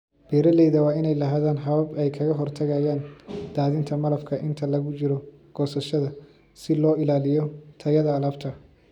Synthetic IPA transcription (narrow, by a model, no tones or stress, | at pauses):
b̥ɛːɾɐlɛjðɐwɑːɪnɛjlɐɦaːðaːnɦɐβɐbɛjkʰɐɣɐɦɔrt̪ʰɐɣaːjaːnd̪̥aːðɪnt̪ʰɐmɐlɐfkʰɐʔɪnt̪ʰɐlɐɣʊt͡ʃɪɾɔ | ɡ̥ɔːsɐʃɐðɐ | sɪlɔːɪlaːlɪjɔt̪ʰɐjɐðɐːlɐbt̪ʰɐ